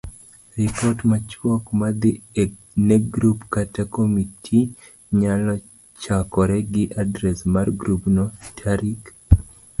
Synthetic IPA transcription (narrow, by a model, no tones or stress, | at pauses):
ripɔtmat͡ʃwɔkmad̪ɪ | neɡɾupkatakomitʰi | ɲalɔ | t͡ʃakɔɾɛɡɪʔadɾɛsmarɡɾupnɔtʰaɾik